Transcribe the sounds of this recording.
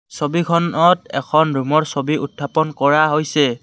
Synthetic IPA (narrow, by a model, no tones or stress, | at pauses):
sobikʰɔnɔtɛ̰kʰɔnɹumɔɹsobiʔutʰːapɔnkɔɹaɦojsɛ